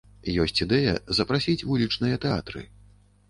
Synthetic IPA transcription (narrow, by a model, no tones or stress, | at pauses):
jɔsʲt͡sʲid̪ɛjɐ̰zɐpɾasʲit͡sʲvulʲit͡ʂnɨjɐt̪ɛa̰t̪ɾɨ̰